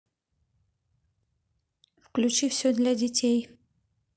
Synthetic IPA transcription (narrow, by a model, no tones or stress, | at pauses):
fklʲʉt͡ɕifsʲod̪lʲadʲɪtʲej